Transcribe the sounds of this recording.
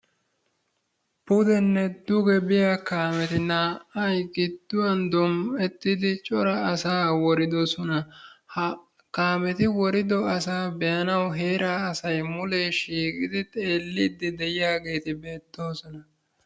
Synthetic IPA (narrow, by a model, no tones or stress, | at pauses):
pʊd̪ɛnːɛd̪ʊɡɛbɪjakaːmɛt̪ɪnaːɐjɡɪd̪ːʊwɐnd̪ɔmɛt̪ːɪd̪ɪt͡ʃʼɔɾɐɐsaːwɔɾɪd̪ɔsɔnɐ | kaːmɛt̪ɪwɔɾɪd̪ɔɐsaːbɛjɐnɐwɦe̞ːɾaːɐsɐjmʊleːʃiːkʼɪd̪ɪt̪ʼe̞ːlːɪd̪ɪd̪ɛjɪjaːɡe̞ːt̪ɪbe̞ːt̪ːo̞ːsɔnɐ